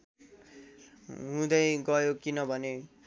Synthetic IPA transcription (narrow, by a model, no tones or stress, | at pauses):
ɦũd̪ʌjɡʌjokinʌbʱʌne